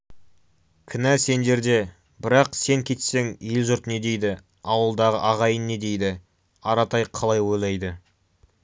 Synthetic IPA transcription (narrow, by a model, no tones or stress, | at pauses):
kʲʰɪnæse̞nd̪e̞ɾd̪e̞ | bɪɾɑqse̞ŋkʲʰe̞t̪se̞ŋelʒʊɾt̪ne̞d̪e̞jd̪ɪ | ɑwəlˠd̪ɑʁəʔɑʁɑjənːe̞d̪e̞jd̪ɪ | ɑɾɑt̪ɑjqʰɑlˠɑjwojlˠɑjd̪ə